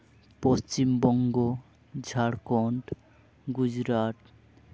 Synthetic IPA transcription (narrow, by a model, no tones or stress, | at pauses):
post͡ɕimbɔŋɡo | d͡ʑʱaɽkɔɳʈ | ɡud͡ʑɾaʈ